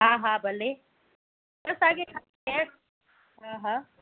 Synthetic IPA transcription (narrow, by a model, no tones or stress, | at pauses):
ɦãːɦãːbɐle | bɐsaːɡekʰa | ɛ | ɦãːɦãː